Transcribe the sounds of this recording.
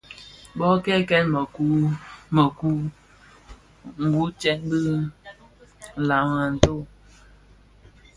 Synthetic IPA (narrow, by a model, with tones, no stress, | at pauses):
bɔ˦kɛ˦˨kɛ˦nm˨ku˦mə˨ku˦ | ŋ̩˨ɡu˨˦t͡ʃɛ˦nbɨ˦˨ | la˨˦ma˨n̩˨to˦˨